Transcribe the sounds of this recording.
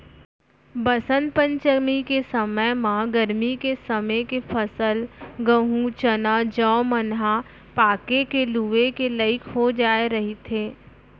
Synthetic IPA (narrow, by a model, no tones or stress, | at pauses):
bɐsə̃npə̃ɲt͡ʃəmikesəməjmãɡəɾmikesɐməkepʰəsəlɡə̃ɦut͡ʃənad͡ʒɔːmənɦa | paːkekeluːʋekeləɪkʰɦod͡ʒaːeɾɐɦet̪ʰeː